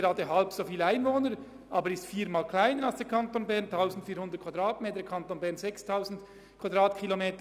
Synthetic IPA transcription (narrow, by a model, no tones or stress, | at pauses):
eɾɑːdəɦɑlpsofiːlaɪnvoːnəɾ | ʔɑːbəɾɪstfiːmaːlkʰlaɪnəɾalsd̥ɛɐkʰɑntoːnbɛʁntʰaʊsn̩tfiːɐhʊndətkv̥ad̥ʁɑːtmeːtəkʰɑntoːnbɛʁnzɛkstʰaʊzn̩d | kʰv̥adʁɑːtkʰilomeːtə